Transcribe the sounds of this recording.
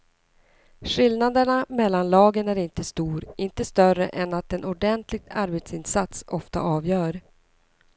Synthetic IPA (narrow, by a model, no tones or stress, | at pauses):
ɧɪlnad̪əɳamɛlːanlɑːɡənæɾɪnt̪əst̪uːɾʔɪnt̪əst̪œrə̰ʔɛnat̪ɛnʔʊɖɛnt̪lɪɡ̚t̪ʰaɾbeːt̪sɪnsat̪sɔft̪a̰ʔɑːvjœːɾ